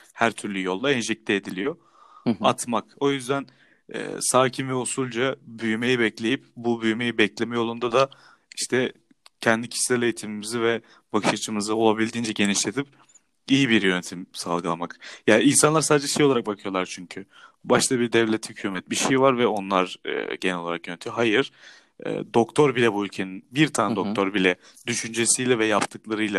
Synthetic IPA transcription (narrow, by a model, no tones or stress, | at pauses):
hæɾt̪ʰyɾlʲyjo̞lˠd̪aɛnʒɛc̚t̪ʰʲɛed̪ilʲijo̞ | at̪mako̞jyzd̪æn | ɛ̰ːsaːcʰimvɛusulʲd͡ʒabyjyme̞jibɛclʲe̞jipbubyjme̞jibɛclʲe̞mɛjo̞lˠund̪ad̪a | iʃt̪ʰɛ | cʰɛnd̪icʰi̥ʃlʲɛle̞jit̪ʰimimizivɛ | bakʰɯ̥ʃat͡ʃʰɯmɯzɯo̞lˠabilʲd̪iːnd͡ʒɛɟe̞niʃlʲe̞t̪ʰip | ijibiɾjø̞net̪ʰimsa̰lˠɡɯlˠamakjaːinsanlˠaɾsaːd̪ed͡ʒɛʃe̞joaɾak̚bakʰɯjo̞lˠaɾt͡ʃʰyɲcʰy | baʃt̪ʰabiɾd̪ɛvlʲɛt̪hycʰyːmɛt̪̚biʃejvaɾvɛo̞nlˠaɾɯ̰ɟenɛlʲo̞lˠaɾakjønet̪ʰijɦajɯɾ̥ | ɛ̰ːd̪o̞kt̪ʰo̞ɾbilʲɛbuylʲcʰe̞ninbiɾt̪ʰaːnd̪o̞kkt̪ʰo̞ɾbilʲɛ | d̪yʃynd͡ʒe̞sijlʲɛvɛjapt̪ʰɯklˠaɾɯjlʲˠa